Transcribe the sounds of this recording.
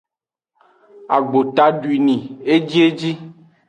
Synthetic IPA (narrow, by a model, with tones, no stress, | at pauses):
a̰˨ɡ͡bo˨t̪a˦ɖu˨i˨nĩ˨e˦d͡ʑi˦e˦d͡ʑi˦